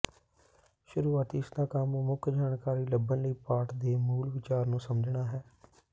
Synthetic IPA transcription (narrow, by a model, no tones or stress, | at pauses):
ʃʊɾuːaːt̪iɪsd̪ãːkəmmʊkʰd͡ʒaːnkaːɾiːləbənləiːpaːʈd̪eːmuːlʋɪt͡ʃaːɾnũːsəməd͡ʒʱɳaːɦɛː